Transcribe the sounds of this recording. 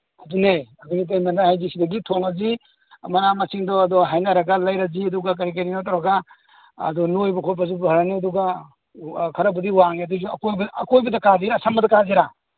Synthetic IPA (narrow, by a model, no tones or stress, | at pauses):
adunejɐbunit̬ajmendahajzisidɐɡitʰoŋɐzi | mɐnamɐsiŋdɔɐd̪ɔɦajnɐɾɐɡalajɾaziɐd̪uɡak̬ɐɾik̬ɐɾinɔtaɾaɡa | ɐ̰d̪ɔnojbɐkʰojpʰɐzubɦɐɾaniɐd̪uɡa | kʰɐɾɐbɐd̪iwaŋeɐd̪uzuɐ̰kojbɐkojbɐd̪ɐkaziɾasamɐd̪ɐkaziɾa